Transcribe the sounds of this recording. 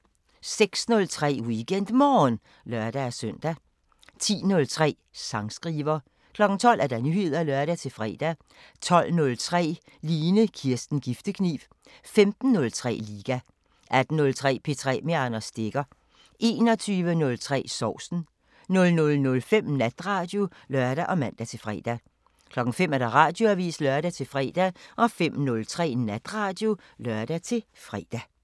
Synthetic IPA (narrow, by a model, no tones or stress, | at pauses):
seɡ̥snɔ̽lt͡sʰʁɛ̰ːwiɡ̥en̰d̥mɒːn | lɶɐd̥æːsœn̰d̥æ | t͡sʰḭːnɔ̽lt͡sʰʁɛ̰ː | sɑ̈ŋsɡ̥ʁiːʋɐː | kʰlɒ̽ɡ̥n̩t͡sʰɒ̽l̰ʔæɐd̥ænyhe̝ð̞̰ˠɐælɶɐɾ̥æt͡sʰe̝fʁɛ̰ːd̥æ | t͡sʰɒ̽l̰nɔ̽lt͡sʰʁɛ̰ː | liːnəkʰiɐsd̥n̩ɡ̥ifd̥əkʰnḭːʋ̥ | femd̥n̩ːɔ̽lt͡sʰʁɛ̰ːliːɡ̥æ | ʔæd̥n̩nɔ̽lt͡sʰʁɛ̰ːpʰe̝t͡sʰʁɛ̰ːme̝ɑ̈nɐsd̥e̝ɡ̥ɐ | ʔe̝̰ːnɒ̽t͡sʰyːʋənɔ̽lt͡sʰʁɛ̰ːsɒʊ̰sn̩ | nɔ̽lnɔ̽lnɔlfem̰næd̥ʁɑ̈ːd̥jo̝ | lɶɐɾ̥æʔɒ̽mæn̰d̥æt͡sʰe̝lfʁɛ̰ːd̥æ | kʰlɒ̽ɡ̥ŋ̩fem̰æɐɾ̥ɑʁɑ̈ːd̥jo̝æʋḭːslœɐɾ̥æt͡sʰe̝fʁɛ̰ːd̥æʔɒ̽fem̰nɔlt͡sʰʁɛ̰ːnæd̥ʁɑ̈ːd̥jo̝ | lɶɐ̰d̥æt͡sʰe̝fʁɛ̰ːd̥æ